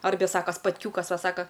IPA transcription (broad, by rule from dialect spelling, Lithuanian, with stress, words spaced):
ˈɐrʲbʲɛ ˈsɑːkoː spɐtʲˈkʲuːkɐs ˈʋɐ ˈsɑːkɐ